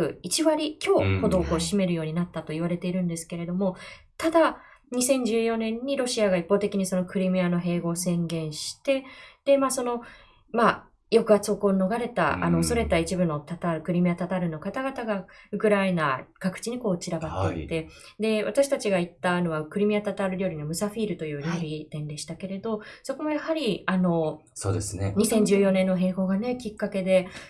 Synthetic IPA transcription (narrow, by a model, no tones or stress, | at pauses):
ɯ̟it͡ɕiβaɾʲikʲo̞ːho̞d̪o̞ːko̞ːɕime̞ɾɯ̟jo̞ːɲ̟inat̪ːat̪o̞iβ̞aɾe̞t̪e̞iɾɯ̟̃nd̪e̞sɨ̥ke̞ɾe̞d̪o̞mo̞ | t̪ad̪aɲ̟isẽ̞ɲ̟d͡ʑɨːjo̞nẽ̞ɲ̟ːiɾo̞ɕiaɡaipːo̞ːt̪e̞kʲiɲ̟iso̞no̞kɯ̟ɾʲimiano̞ɦe̞ːɡo̞ːsẽ̞ŋɡẽ̞ɰ̃ɕi̥t̪e̞d̪̥e̞maːso̞no̞ | ma | jo̞kɯ̟at͡sɨokoːno̞ɡaɾe̞t̪a̰ʔa̰no̞ːso̞ɾe̞t̪ait͡ɕibɯ̟no̞t̪at̪aɾɯ̟kɯ̟ɾʲimiat̪at̪aɾɯ̟no̞kat̪aɡat̪aɡaɯ̟kɯ̟ɾaenakakɯ̟̥t͡ɕiɲ̟iko̞ːt͡ɕiɾabat̪ːeiit̪ːe̞ | d̪e̞βat̪aɕi̥t̪at͡ɕiɡait̪ːaːno̞βakɯ̟ɾʲimʲiat̪at̪aɾɯ̟ɾʲo̞ːɾʲino̞mɯ̟saɸʲiːɾɯ̟t̪o̞jɯ̟ːɾʲjoːɾʲit̪ẽ̞nd̪e̞ɕi̥t̪ake̞ɾe̞d̪o̞so̞ko̞mojahaɾʲiano̞ | so̰ːd̪esɨneɲ̟isẽ̞ɲ̟d͡ʑɨːjo̞nẽ̞nːo̞ɦe̞ːɡo̞ːɡane̞kʲikːake̞d̪e̞